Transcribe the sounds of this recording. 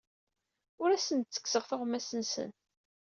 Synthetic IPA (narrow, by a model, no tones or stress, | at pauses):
ʊɾæsənt̪t͡sːə̥kːsəʁθʊʁmæsənsə̰n